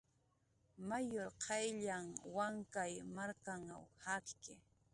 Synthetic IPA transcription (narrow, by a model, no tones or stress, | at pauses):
majoɾqʰɑjʎaŋwaŋkajmaɾkaŋa̰whakkɪ